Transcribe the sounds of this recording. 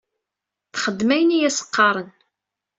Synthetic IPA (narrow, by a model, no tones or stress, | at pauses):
θχəd̪ːmæjənijæsə̥qːɑɾˤən